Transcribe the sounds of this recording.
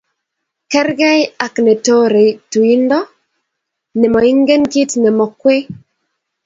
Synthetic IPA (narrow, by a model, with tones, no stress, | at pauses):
kɛ˦ɾɡɛ˦ja˨knɛ˨to˦ɾe˨tu˨i˦ndɔ˦ | nɛ˨mɔ˨i˦ŋɡe˦nki˦tnɛ˨mɔ˨kwe˦